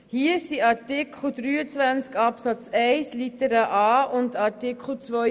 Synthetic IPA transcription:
hiəsiɑɾtikʰχl̩d̥ɾyːət͡svænt͡skɑpsɑt͡sɛɪslitəɾəʔɑːʊndɑɾtikχl̩t͡svɔ

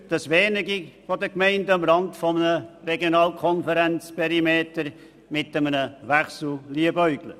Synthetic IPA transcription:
d̪̥ɑsʋɛːnəɡifɔdəkmɛɪndəɑmɾɑndfɔmənərɛɡjonɑːlkʰɔnfəɾɛnt͡spʰɛɾimeːtəɾ | mɪtəmənəʋæχsl̩liəbœʏɡlə̰

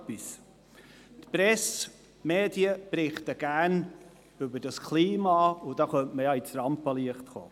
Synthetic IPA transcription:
pis | tpɾɛs | meːdiəb̥ɾɪχtəɡ̥æɾn | ʏbəd̥ɑskʰliːmɑʊd̥ɑχœntməjɑit͡sɾɑmpɑliəχtχo̰ː

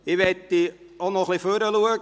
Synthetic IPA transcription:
ɪʋɛt̪ːi | onɔχliføɾəluəɡ

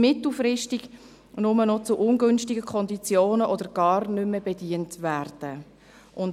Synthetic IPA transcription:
mɪt̪l̩frɪʃtɪɡ̥ | nʊmənɔt͡sʊʔʊnɡʏnʃtɪɡəkʰɔndit͡sjoːnəʔɔd̥əɾɡ̥ɑːrnʏməbediːəntvæːrd̥ə | ʔʊn

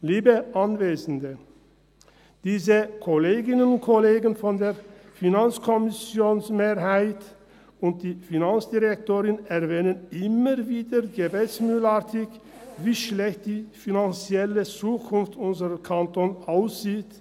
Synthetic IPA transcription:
liːbəʔanveːzn̩də | d̥iːzəkʰoleːɡɪnənʊntkʰoleːɡənfɔndeːɐfinant͡skʰɔmɪsjoːnsmeːɐɦaɪt | ʊnt̚d̥iːfinant͡sd̥iʁɛk̚toːʁɪnɛʁvɛːnənʔɪməʁviːdəɡəbɛt͡smyːlatʰɪçviːʃlɛçt̚d̥iːfinant͡sjɛlət͡suːkʰʊnftʊnzəʁəkʰantoːnaʊsz̥iːt

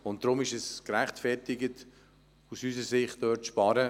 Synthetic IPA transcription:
ʊnt̚d̥ɾʊmɪʃɛskɾæχtfɛɾtɪɡət | usysəsɪχtøːtʃpɑɾə

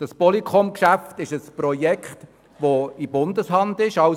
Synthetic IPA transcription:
d̥ɑspɔlikχɔmkʃæftɪʃəsprɔjɛkχt | ʋoibʊndəshɑndɪʃɑʊ

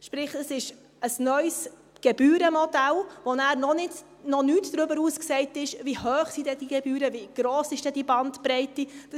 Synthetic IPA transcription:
ʃpɾɪχəsɪʃ | əsnœʏs | ɡ̥ɛbyːɾəmɔdɛlʋonæːɾnɔnɪt | nɔnyːtd̥ɾʏbəɾuːsksɛɪtɪʃvihøːχsidɛdiɡɛbyːɾəviɡ̥ɾɔːsɪʃd̥ɛdibɑntpɾɛɪtid̥ə

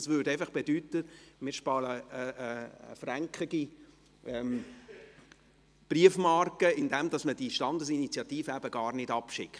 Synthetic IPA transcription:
svʋʏːɾdɛɪfɑχb̥edyːtəmɪɾʃpɑːləəəə̰fræŋkχəɡ̥i | ɛm | b̥riəfmɑrkəɪndɛmd̥ɑsməd̥iʃtɑndəs̬init͡sjɑtiːfəæbəɡɑːɾnɪdɑpʃɪ̰kχt

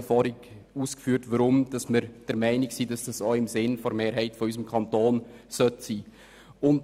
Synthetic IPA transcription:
fɑːɾɪɡ | uːskfyːtʋɑɾʊmd̥ɑsmɪɾd̥əɾmɛɪnɪksiːd̥ɑsd̥ɑsoːɪmsɪnfɔɾmeːɾɦɛɪtfɔysəmkʰɑntoːnsœtsiː | ʊnt

